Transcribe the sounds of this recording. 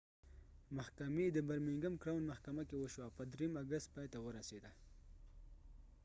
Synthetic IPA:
mahkamed̪əbaɾmɪŋɡamkɾawnmahkamakewəʃwapəd̪ɾejmaɡəst̪̚pɑjt̪awəɾased̪a

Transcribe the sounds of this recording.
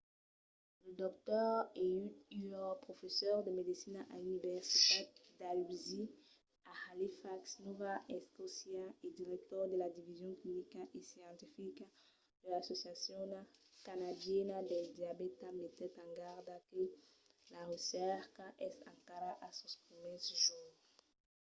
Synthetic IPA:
led̪ɔk̚t̪ɔʁeyt̪yɔpʁofesɔʁd̪emed̪isinaʔaynivɛʁsit̪at̪̚d̪alwizi | ahalifaksnovaɛskosjaed̪iʁɛk̚t̪ɔʁd̪elad̪ivizjɔ̃ŋklimikaʔesjɑ̃nt̪ifika | d̪̥elasosjasjɔ̃nkanad̪jɛnad̪eld̪jabet̪amet̪ɛt̪ãŋɡaʁd̪ake | laʁesɛʁkaʔɛsã̰ŋkaɾaʔasospʁimɛsʒu

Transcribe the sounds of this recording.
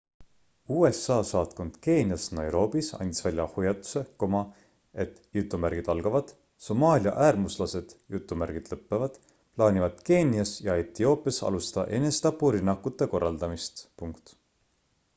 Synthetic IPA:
uːe̞sɑːsɑːt̪ko̞nd̪̥ke̞ːnijɑsnɑjɾo̞ːbisɑ̰nʲt̪d̪̥ʲi̥svælʲjɑhujɑt̪ːˑu̥se̞ko̞mɑ | e̞t̪ːˑjut̪ːˑumæɾɡ̥id̪̥ɑlɡ̥ɑvɑd̪̥ | so̞mɑːlʲjɑ̰ʔæːrmuslɑse̞d̪̥jut̪ːˑumæɾɡ̥id̪̥lɤpːevɑd̪̥ | plɑːnʲivɑd̪̥ke̞ːnʲiɑsjɑet̪ːio̞ːpːˑijɑsɑ̰lust̪ɑt̪ɑ̰ʔe̞nest̪ɑpːuɾinːɑkːˑut̪ːˑe̞ko̞rːɑld̪̥ɑmist̪puŋkt̪

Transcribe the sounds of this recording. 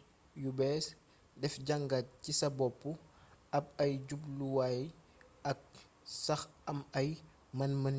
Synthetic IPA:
jubɛːs | dɛfɟɐŋɡat̚cisɐbɔpːuɐp̚ɐjɟubluwaj | ɐk̚ | sɐxɐmɐj | mɐnmɐn

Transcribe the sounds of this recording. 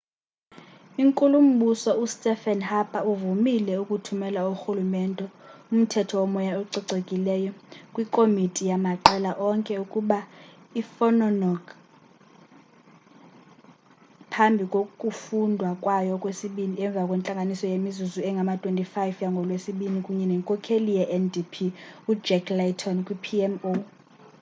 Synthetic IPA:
iŋkʼulum̩ɓusɔustʼɛfɛnhapʰʼauvumilɛukʼutʰumɛlauxulumɛntʼɛum̩tʰɛtʰɔwɔmɔjauǀiǀekʼilɛjɔkʼwikʼomitʼijamaǃɛlaʔɔŋkʼɛukʼuɓa | ifɔnɔnɔɡ | pʰambʱikʼokʼufundʱwakʼwajɔkʼwesiɓiniɛɱb̪vʱakʼwent͡ɬʼaŋɡʱanisɔjemizuzuɛŋɡʱamatʼwentʼifajfjaŋɡʱɔlwesiɓinikʼuɲɛnɛŋkʼɔkʰelijɛʔɛndipʰiud͡ʒɛkʰlatʰɔnkʼwipʰiɛmo

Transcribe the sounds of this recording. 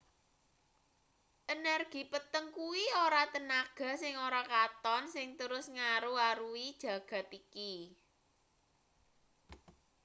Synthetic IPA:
ʔənɛrɡ̥i̤pət̪əŋkuwioɾat̪ənaɡ̥ä̤sɪŋoɾakat̪ɔnsɪŋt̪əɾʊsŋaɾuaɾuid̥ʒ̥ä̤ɡ̥ä̤t̪iki

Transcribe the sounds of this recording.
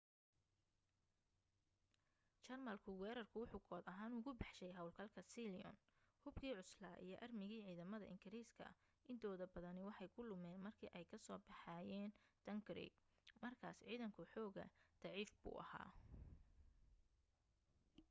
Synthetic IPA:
t͡ʃɐrmɐlkʰʊwɛːɾɐrkʰʊwʊħuːɡʰɔːd̪ɐɦaːnʊɣʊbɑħʃɛjɦɐwlkʰɐlkʰɐsiliɔ̰nhʊbkʰiːʕʊslaːʔḭjɞʔɐrmɪɣiːʕiːðɐmɐðɐ̰ʔɪŋɡɪɾiːskʰɐ̰ | ʔɪnt̪ʰɔːðɐbɐðɐnɪwɑħɑjkʰʊlʊmɛːnmɐrkʰiːʔɛjkʰɐsɔːbɑħɑːjɛːnd̪̥ɐŋɡrḭːɡmɐrkʰaːsʕiːðɐŋkʰʊħɔːɣɐ̰d̪̥ɑʕiːfbṵːʔɐha̰ː

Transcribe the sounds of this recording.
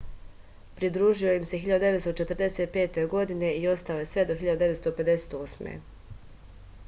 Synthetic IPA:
pɾid̪ɾuːʒio̞jimsexiʎad̪ud̪e̞ʋest̪ot͡ʃe̞t̪ɾ̩d̪e̞set̪̚pe̞ːt̪e̞ɡo̞d̪ine̞io̞st̪ao̞jesʋe̞d̪o̞xilʎad̪ud̪e̞ʋet̪st̪ope̞d̪e̞set̪o̞ːsmḛ

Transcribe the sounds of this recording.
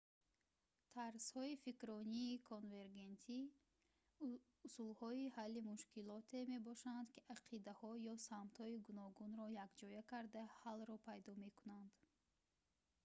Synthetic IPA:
t̪ʰaɾshɔifikɾɔniːkʰonve̞ɾɡe̞nt̪ʰi | usulhɔihalːimuʃkilɔt̪ʰe̞me̞bɔʃand̪kiʔaqʰid̪ahɔjɔsamt̪hɔiɡunɔɡunɾɔjakd͡ʒɔjakʰaɾd̪ahalɾɔpʰajd̪ɔme̞kunand̪

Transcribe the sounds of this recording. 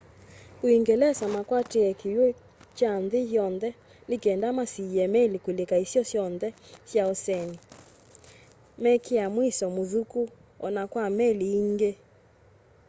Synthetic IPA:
oiŋɡelɛsamakwateɛkejo | t͡ʃanðɪjjɔnðɛ | nekɛndamasiɛmɛlikwelekaisjɔsjɔnðɛsjaosɛni | mɛkʰeamwisɔmoðuku | ɔ̰nakwamɛliːŋɡe

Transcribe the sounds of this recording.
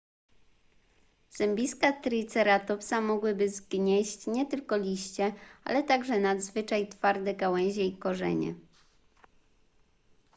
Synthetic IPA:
z̥ɛmbʲiskat̪ɾɘt̪sɛɾat̪ɔpsamɔɡwɘbɘzɡɲɛɕt͡ɕɲɛt̪ɘlkɔlʲiɕt͡ɕɛa̰lɛt̪aɡʐɛnad̪zvɘt͡ʂajt̪faɾd̪ɛɡawɛ̃w̃ʑɛikɔʐɛ̰ɲɛ̰

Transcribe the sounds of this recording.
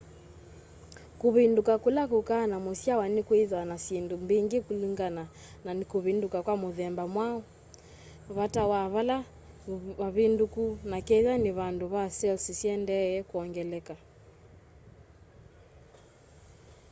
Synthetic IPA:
kuβindukakulakukaːnamusiawanikwiðwanasindumbiŋɡikuliŋɡana | nanikuβindukakwamuðɛmbamwaɔ | βatawaβala | aβindukunakɛðaniβanduβasɛlsisiɛndɛɛkuɔŋɡɛlɛka

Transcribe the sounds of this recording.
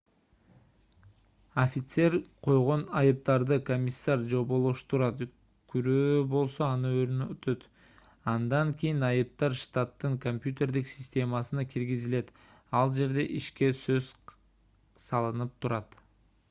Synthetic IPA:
ofʲit̪se̞ɾqʰo̞jʁo̞nɑjɯp̚t̪ɑɾd̪ɯkomʲisːaɾd͡ʒo̞bo̞lˠuʃt̪uɾɑt̪ | kʰyɾøːbo̞lˠso̞ɑnɯøɾnøt̪ʰø̞t̪ | ɑnd̪ɑŋkʲijinɑjɯp̚t̪ɑɾʃt̪at̪ːɯŋkompʲjut̪ʲe̞rd̪iksʲɪsʲt̪ʲe̞mɑsɯnɑkʰiɾɡizile̞t̪ | ɑlˠd͡ʒe̞ɾd̪e̞ʔiʃke̞søz | sɑlˠɯnɯp̚t̪ʰuɾɑt̪

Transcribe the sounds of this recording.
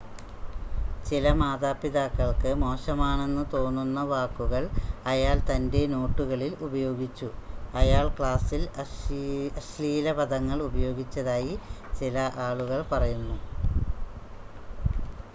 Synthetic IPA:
t͡ɕilɐmaːðaːpːiðaːkːɐɭkɨmo̞ːɕɐmaːɳe̞nːɨt̪o̞ːnːunːɐʋaːkːuɣɐɭɐjaːlt̪ɐnde̞no̞ːʈːuɣɐɭilubɐjo̞ːɡit͡ɕːuɐjaːɭkɭaːsil | ɐɕliːlɐbɐd̪ʱɐŋːɐɭubɐjo̞ːɡit͡ɕːɐðaːjit͡ɕilɐʔaːɭuɣɐɭpɐrɐjunːu

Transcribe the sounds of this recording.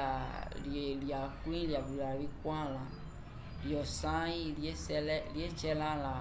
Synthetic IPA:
alieliakuĩliabilalikwãlã | liɔsãjiliesɛlɛliet͡ʃɛlãla

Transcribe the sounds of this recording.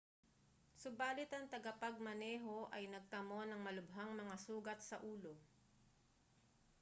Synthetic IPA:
sʊbaːlɪt̪ɐŋt̪ɐɡɐpɐɡ̚mɐnɛːɦo̞ʔɐjnɐɡ̚t̪ɐmo̞nɐŋmɐlʊbɦaŋmɐŋasuːɡɐt̪̚sɐʔuːlo̞

